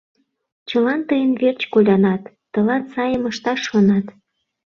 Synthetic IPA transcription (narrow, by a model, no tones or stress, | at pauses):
t͡ɕəlɑnt̪əjənvert͡ɕkolʲɑnɑt̪ːə̆lɑt̪sɑjəməʃt̪ɑʃːonɑt̪